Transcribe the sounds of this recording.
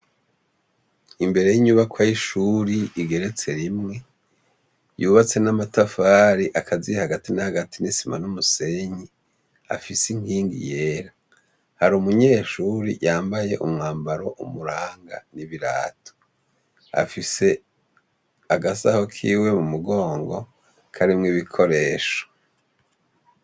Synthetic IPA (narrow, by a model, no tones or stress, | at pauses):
imbe̞ɾe̞jiɲuβakwajiʃuɾiːɡe̞ɾe̞t͡se̞ɾimŋe̞ | juβat͡se̞namatafaːɾiʔakʰazihaɡatinahaɡatinisima̰numuse̞ɲi | a̰fisiŋ̥hiːŋɡḭje̞ːɾa | haɾumuɲe̞ːʃuɾḭjaːmbaje̞ʔumŋaːmbaɾo̞ʔumuɾaːŋɡa̰niβiɾa̰ːtʰo̥ | a̰fise̞ | aɡasa̰hokʰḭːwe̞mumuɡo̞ːŋɡo̞ | kʰaɾimŋiβikʰo̞ɾe̞ːʃo̥